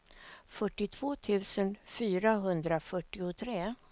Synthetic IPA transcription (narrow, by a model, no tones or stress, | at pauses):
fœʈːɪt̪ʰv̥oːt̪ʰʉ̟ːsənfyːɾaɦɵnd̪ɾafœʈːɪʊt̪ʰɾeː